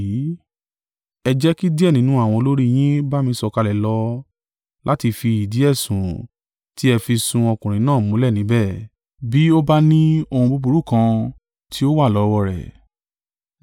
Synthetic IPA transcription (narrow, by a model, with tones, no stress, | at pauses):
i˨˦ | ɛ˧d͡ʒɛ˦ki˦di˦ɛ˦˨nĩ˨˦nũ˦a˦˨w̃ɔ̃˧o˧lo˦ɾi˦˨j̃ĩ˦ba˦mĩ˧˦sɔ˧ka˧lɛ˨lɔ˧˦ | lʔa˦ti˧fi˧i˨di˨˦ɛ˦˨sũ˨ | ti˦ɛ˧fi˧sũ˧ɔ˧kũ˨ɾ̃ĩ˨˦nãː˦˨mũ˦lɛ˦˨nĩ˨˦bɛ˦˨ | bi˦o˦ba˦nĩ˦o˧hũ˧bu˦˧bu˧ɾu˦˨kã˧ | tʰi˦o˦wa˦˨lɔ˨˦wɔ˧ɾɛ̰˨